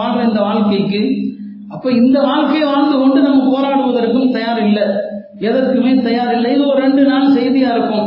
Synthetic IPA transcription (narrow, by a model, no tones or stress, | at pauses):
aːɳrɐɪnd̪ɐʋaːɻkɐɪkːɯ | ɐpːoːɪnd̪ɐʋaːɻkɐɪʋaːɻnd̪ɯkɔɳɖɯnɐmːɐpoːɾaːɽɯʋɐðɐɾkːɯmt̪ɐjaːɾɪlːɐ | ɛðɐrkɯmeːt̪ɐjaːɾɪlːɐɪɔɾɯɾɛɳɖɯnaːlsɛjðɪjaːɪɾɯkːɯm